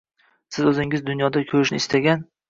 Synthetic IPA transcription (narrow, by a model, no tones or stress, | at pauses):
sɪzɵzɪŋɪzd̪ʊnjɒd̪akʲʰɵɾɪʃnɪɪst̪ʰaɡʲan